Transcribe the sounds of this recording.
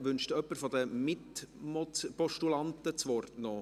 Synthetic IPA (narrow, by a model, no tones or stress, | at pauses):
ʋʏnʃtuœpːəɾfɔd̪əmɪtmɔpɔʃtulɑnt̪ət͡sʋɔrtno